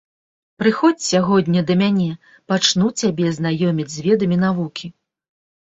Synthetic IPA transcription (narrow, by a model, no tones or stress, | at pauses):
pɾɨxɔt͡sʲsʲaɣɔd̪ʲnʲɐd̪ɐmʲanʲɛ | pat͡ʂnut͡sʲabʲɛzn̪ajɔmʲid͡zʲzʲvʲɛd̪ɐmʲin̪avukʲʰi